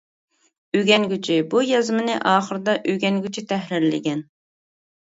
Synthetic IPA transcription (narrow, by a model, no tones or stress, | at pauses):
yɡʲɛnɡʲyt͡ʃʰibujɑzmɨnɪʔɑːχəɾɨd̪ɑʔyɡʲɛŋɡʲyt͡ʃʰit̪ʰɛɦɾɪɾlɪ̰ɡʲɛn